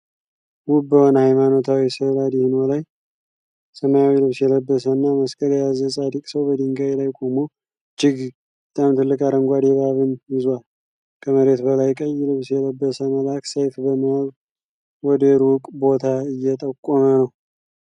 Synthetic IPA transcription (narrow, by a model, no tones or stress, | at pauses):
wʊbːəhonhajmanot̪ʰawisəlad̪ihɨnolaj | səmajawilɨβsjɛləbːəsənːaməskʼəɾjazəsʼad̪ikʼsəwbəd̪ɨŋɡajlajkʼomu | d͡ʒɪɡ | bət̪ʼamt̪ʰɨlːɨkʼaɾəŋɡʷad̪eβaβɨnjɪzwal | kʰəməɾe̞t̪bəlajkʼəjːlɨβsjɛləbːəsəməlaksəjfbəmiaɡ | wɔd̪əɾuwʊkʼbo̞t̪ʰaɨjːɛt̪ʼəkʼːomənəw